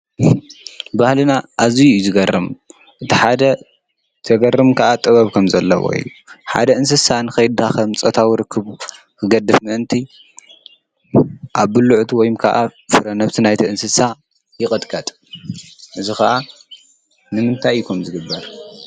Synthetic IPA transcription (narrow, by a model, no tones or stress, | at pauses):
bahlɨnaʔazijjuzɨɡɐrɨm | ʔɨt̪ʰiħad̪ɐ | t̪ʰɐɡɐrːɨmkʰɐʔat̪ʼɨβɐβkʰɐmzɐlːɐ̰wo̰ḭjːuħa̰d̪ɐɨns̬ɨsanɨxɐjd̪axɐmt͡sʼɐt̪ʰawiɾɨkʰːɨβu | kʰɨɡɐd̪ɨfmɨʔɨnt̪ʰi | ʔaβːɨlːuʕt̪ʰuwɔjmkʰɐ̰ʔafɨɾɐnɐβt̪ʰinajt̪ʰiɨnsɨsa | jɪkʼɨt̪ʼkʼɐt̪ʼ | ʔɨzixɐʔa | nɨmɨnt̪ʰajːukʰɐmzɨɡɨbːɐɾ